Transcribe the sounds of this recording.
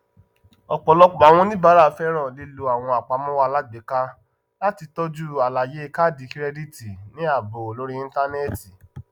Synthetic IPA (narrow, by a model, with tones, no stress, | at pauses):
ɔ˨k͡pɔ˨lɔ˧k͡pa˨w̃ɔ̃˧˦nĩ˦ba˦ɾa˦˨fɛ˦ɾɔ̃˦˨le˧lo˧a˨w̃ɔ̃˧a˨k͡pa˨˦mɔ̃˦wa˧la˦ɡ͡be˨˦ka˧ | la˦ti˧tɔ˦d͡ʒu˦a˨la˨je˨˦ka˦˨di˧kɾɛ˧di˦ti˨nĩ˨˦a˦˨bo˨lo˦ɾi˦ĩ˧˦n˦ta˧nɛ˦˨ti˨